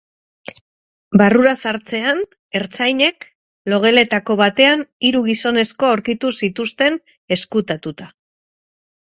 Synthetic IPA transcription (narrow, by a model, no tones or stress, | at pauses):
baruɾasaɾt͡se̞an | e̞ɾt͡sajɲe̞k | lo̞ɣ̞e̞le̞t̪ako̞βat̪e̞aniɾuɣ̞iso̞ne̞sko̞awɾkit̪usit̪ust̪e̞n | e̞skut̪at̪ut̪a